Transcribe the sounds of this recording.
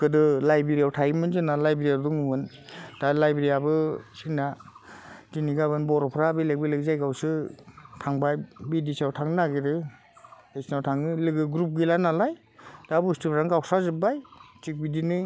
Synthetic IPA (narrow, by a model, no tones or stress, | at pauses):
kɯdɯlajbeɾijawtʰajmɯnzɯnalajbɾijaduŋumɯn | d̥alajbɾijabɯsinːa | ziniɡabɯnbɔɾɔpʰɾabilek̚bilɯkzajɡawsɯtʰaŋbajbidisawtʰaŋɯnaɡiɾɯ | esnawtʰaŋɯlɯɡɯɡɾup̬̚ɡilanalaj | d̥abustɯpʰɾaŋɡawsazɯbajtik̚bidinɯ